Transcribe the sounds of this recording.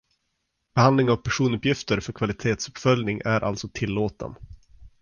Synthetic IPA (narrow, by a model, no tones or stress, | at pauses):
b̥ɛhand̪lɪŋavpʰæʂuːnɵpjɪft̪əɾfœɾkʰvalɪt̪ʰeːt̪sɵ̥pfœljnɪŋʔæɾʔa̰lsɔt̪ʰɪlːoːt̪ə̰n